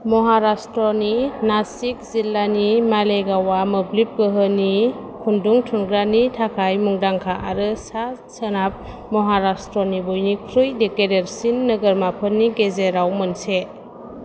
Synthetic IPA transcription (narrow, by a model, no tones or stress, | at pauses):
mɔɦaɾastɾɔninasik̚zilːanimaleɡawamɯblip̚ɡɯɦəni | kʰunduŋtʰunɡɾanitʰakʰajmuŋdaŋkʰaʔaɾɯsasənap̚ | mɔɦaɾastɾɔnibujnikʰɾɯjdekedeɾsinːəɡəɾmapʰənːiɡezeɾawmɯnse